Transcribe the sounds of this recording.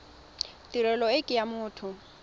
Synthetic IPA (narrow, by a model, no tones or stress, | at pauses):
tʼiɾɛlɔekʼɪjamʊːtʰʊ